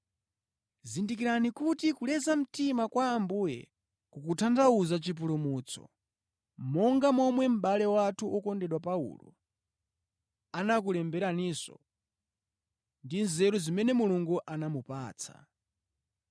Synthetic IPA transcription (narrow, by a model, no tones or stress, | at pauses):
zindik̬iɾanikutikulɛzam̩timakwaːmbujɛ̰ | kukutʰandauzat͡ʃip̬ulumuːt͡sʰɔ̰ | mɔŋɡamɔmwɛm̩ɓalɛwatʰuʔɔkɔndɛɗwapaṵlɔ̰ | anak̬ulɛmbɛɾanisɔ̰ | ndinzɛɾuzimɛnɛmuluŋɡuʔanamupa̰ːt͡sʰḁ̰